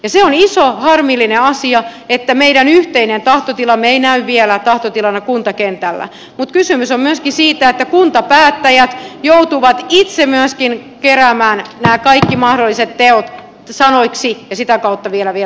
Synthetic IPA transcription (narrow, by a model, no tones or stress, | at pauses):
jɑseonisohɑrmilːineɑsiɑet̪ːæmeiɾænyht̪einent̪ɑht̪ot̪ilɑmːeeinæyʋʋielæt̪ɑht̪ot̪ilɑnɑkunt̪ɑkent̪ælːæ̰ | mut̪kysymysommyøskisiːt̪æet̪ːækunt̪ɑpæːt̪ːæjæt̪jout̪uʋɑt̪it̪semyøskinkeræmæːnnæːkɑikːimɑhdolːiset̪teot̪ | sɑnoiksijɑsit̪ækɑut̪ːɑʋielæʋie